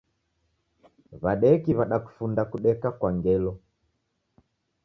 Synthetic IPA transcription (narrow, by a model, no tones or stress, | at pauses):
βaɗɛkiβaɗaku̥fundakuɗɛkakwaŋɡɛlɔ